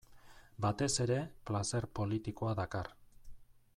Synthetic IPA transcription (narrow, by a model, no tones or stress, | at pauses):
bat̪e̞se̞ɾe̞plase̞rpo̞lit̪iko̞aðakar